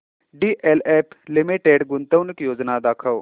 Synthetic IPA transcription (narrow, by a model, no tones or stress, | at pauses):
ɖiːʔeːleːpʰlɪmiʈeːɖɡʊnt̪əʋnɪkjoːd͡ʒnad̪aːkʰəʋ